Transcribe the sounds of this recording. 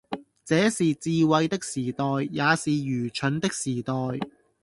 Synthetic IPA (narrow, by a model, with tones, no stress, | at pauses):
t͡sɛː˨˥siː˨t͡siː˧wɐ˧jt̪ɪ˥k̚siː˨˩t̪ɔː˨jːaː˨˧siː˨jyː˨˩t͡ʃʰɵ˨˥nt̪ɪ˥k̚siː˨˩t̪ɔː˨j